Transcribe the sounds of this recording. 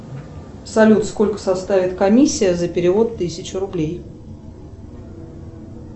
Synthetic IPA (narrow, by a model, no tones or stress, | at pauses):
sɐlʲut̪sko̞lʲkə̥sɐst̪avʲɪt̪kɐmʲisʲːɪjəzəpʲɪɾʲɪvo̞t̪ːɨsʲɪt͡ɕʊɾʊblʲej